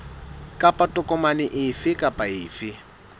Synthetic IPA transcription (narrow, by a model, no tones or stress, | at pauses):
kʼapʼatʼʊkʼɔmanɪʔɪfɪkʼapʼaɪːfɪ